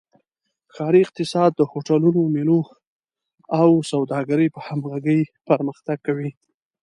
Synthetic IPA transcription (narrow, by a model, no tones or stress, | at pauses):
xɑɾiɪq̚t̪ɪsɑd̪ːəhoʈalunomelo | awsawd̪ɑɡaɾəjpəhamɣaɡəjpəɾməxt̪aɡ̚kawi